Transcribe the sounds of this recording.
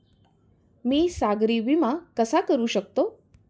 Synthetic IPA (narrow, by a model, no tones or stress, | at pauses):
miːsaɡɾiʋimãkəsakəɾuʃək̚t̪o